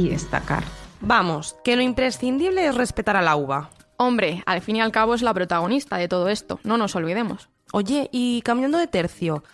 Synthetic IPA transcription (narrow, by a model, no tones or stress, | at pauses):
iest̪a̰ka̰ɾbamoske̞loimpɾe̞sθind̪iβle̞esre̞spe̞t̪aɾalauβ̞a | o̞mbɾe̞alfinialkaβ̞oezlapɾot̪aɣ̞o̞nist̪aðe̞t̪o̞ð̞oe̞st̪o̞̰nõno̞so̞lβ̞iðe̞mo̞s | o̞ʝe̞ʔikamjãnd̪oðet̪e̞ɾθjo